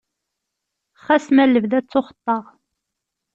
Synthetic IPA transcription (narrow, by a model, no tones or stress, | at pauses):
χæsmælːəvðæt͡sːoχə̥t̪ˤːɑʁ